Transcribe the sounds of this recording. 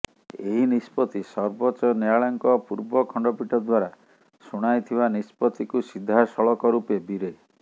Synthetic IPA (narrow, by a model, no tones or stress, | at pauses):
eɦinispɔt̪isɔɾbɔt͡ʃɔneaɭɔŋkɔpuɾbɔkʰɔɳɖɔpiʈʰɔd̪waɾa | suɽ̃ajt̪ʰibanispɔt̪ikusid̪ʱːasɔɭɔkɔɾupebiɾe